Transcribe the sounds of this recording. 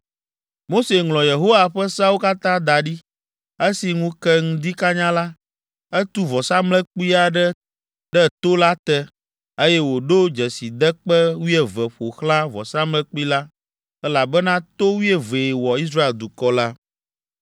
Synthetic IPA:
mo˦se˨ŋlɔ̃˨je˨ɦo˦wa˨ɸɛ˦sa˦wo˦ka˦t̪ã˦d̪a˨ɖi˦ | e˦si˨ŋũ˦kɛ˦ŋũ˦d̪i˦ka˦ɲã˦la˦ | ɛ˦t̪u˦vɔ˨sa˦mlɛ̃˦k͡pi˦a˨ɖɛ˦ | ɖɛ˦t̪o˦la˦t̪ɛ˦ | e˦jɛ˦wo˨ɖo˦d͡ʒɛ˨si˨d̪ɛ˦k͡pɛ˦wi˦ɛ˨vɛ˨ɸo˨xlã˦vɔ̰˨sã˦mlɛ̃˦k͡pi˦la˦ | ɛ˦la˨bɛ˦nã˦t̪o˦wi˦ɛ˦ve˨wɔ˨i˦s̬ɾa˦e˨ld̪u˨kɔ˦la˦

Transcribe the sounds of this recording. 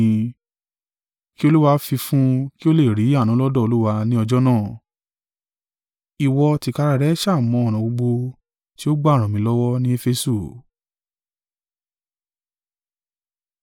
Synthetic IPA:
ki˦o˧lu˦wa˧˦fi˧fũ˦ki˦o˦le˦˨ɾi˨˦a˦˨nũ˨˦lɔ˦dɔ˦˨o˧lu˦wa˧nĩ˦ɔ˧d͡ʒɔ˦nãː˦˨ | i˨wɔ˧ti˨˧ka˧ɾa˧ɾɛ˨˦ʃa˦˨mɔ̃˨˧ɔ˨ɾ̃ã˨bo˧ɡ͡bo˧ | ti˦o˦ɡ͡ba˦˨ɾ̃ã˨mĩ˨˦lɔ˦wɔ˦nĩ˦e˦fe˧su˦˨

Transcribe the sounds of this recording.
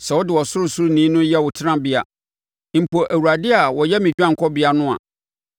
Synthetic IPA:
sɛ˨wɔ˦dɪ˨wɔ˨sʊ˦ɾʊ˦sʊ˦ɾnĩː˦nʊ̃˦jɛ˦wʊ˨tʰɪ˦nã˦bɪ˦a̰˨˦ | m̩˨po˨ʔæ˨wu˨ɾa˨dɪ˦a˨wɔ˨jɛ˦mĩ˨d͡ʑᶣã˦ŋ̩˨kʰɔ˦bɪ˨˦a˨nʊ̃˦a̰˨

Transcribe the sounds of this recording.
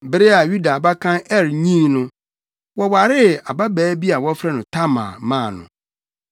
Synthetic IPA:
bɪ˨ɾɪ˦a˨ju˦da˨ba˦kʰã˦ɛ˦ɾɲĩ˦nʊ̃˦ | wɔ˦wa˨ɾɪ˦a˨ba˦bɛː˨˦bi˦a˨wɔ˦fɾɛ˦nʊ̃˨tʰa˦mã̰˨mãː˦˨nʊ̰̃˨

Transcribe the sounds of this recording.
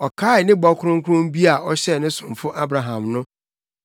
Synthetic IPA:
ɔ˨kʰaː˦ɪ˨nɪ̃˦bɔ˦kʰʊ˦ʊ̃˦ŋ˦kʰʊ˦ʊ̃˦m˦bi˦a˨ɔ˦ɕɛ˦˨nɪ̃˦sʊ̃˨mfʊ˦ʔa˦bɾa˨ɦã˨mnʊ̃˦

